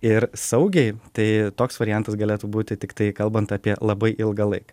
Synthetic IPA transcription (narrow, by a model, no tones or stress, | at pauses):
ɪɾsɐʊɡʲɛɪt̪ɐɪt̪oːksʋɐɾʲɪjɛnt̪ɐsɡɐlʲeːt̪uːbuːt̪ʲɪt̪ʲɪkt̪ɐɪkɐlˠbɐnt̪ɑːpʲiɛlˠɐbɐɪʔɪlˠɡɐlˠɐɪkɐ̥